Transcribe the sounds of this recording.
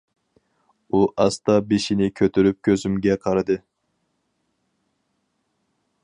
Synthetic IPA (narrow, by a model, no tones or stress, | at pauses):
uʔɑst̪ɑbeʃinɪkʲʰøt̪ʰyɾyp̚kʲʰøzymɡʲɛqʰɑɾɨd̪ɨ